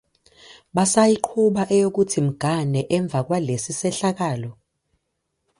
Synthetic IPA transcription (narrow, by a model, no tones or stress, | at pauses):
ɓasajiǃʰuɓaʔɛjok̬utʰim̩ɡ̥ʱanɛʔɛɱb̪vʱak̬walesisɛɬak̬aːlɔ